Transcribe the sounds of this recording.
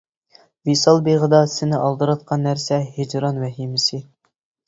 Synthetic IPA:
visɑlˠbeʁəd̪ɑsɪnɪʔɑlˠd̪ɨɾɑt̪̚qʰɑnːæɾsɛɦed͡ʒɾɑnwɛɦimɪsɪ

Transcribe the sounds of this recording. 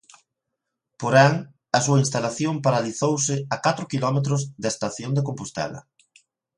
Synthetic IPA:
poɾaŋ | ɐsuɐinst̪alaθjompaɾaliθowsɪakat̪ɾʊkilɔmet̪̬ɾʊzðest̪aθjond̪ekompust̪ɛ̰lɐ̰

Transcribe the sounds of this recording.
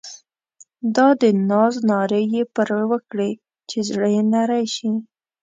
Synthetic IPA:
d̪ɑd̪ənɑznɑɾejepəɾawəkɽe | t͡ʃezɽəjenaɾajʃi

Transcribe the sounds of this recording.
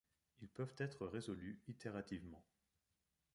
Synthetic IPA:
ilpœvt̪ɛt̪χəʁezɔlyit̪eʁat̪ivmɑ̃

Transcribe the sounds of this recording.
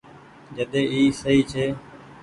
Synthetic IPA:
d͡ʒəɗ̪ẽːiːsəɦiːt͡ʃʰeː

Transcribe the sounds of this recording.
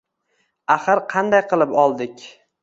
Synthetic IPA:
aχɨɾqʰɑnd̪ajqʰɨlˠɪpɒlˠd̪ɪkʲ

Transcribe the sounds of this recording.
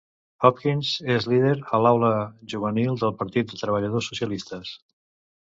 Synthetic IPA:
hɔpkinzezlið̞eɾəlawləʒuβ̞ənilˠd̪əlˠpəɾt̪it̪̚d̪ət̪ɾəβ̞əʎəð̞osːusjəlist̪əs

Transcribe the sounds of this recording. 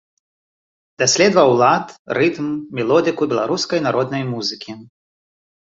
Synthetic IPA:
d̪asʲlʲɛd̪vɐwlˠat̪rɨt̪mːʲɛlˠɔd̪ɨkubʲɛlˠaɾuskɐjnaɾɔd̪nɐjmuzɨkʲi

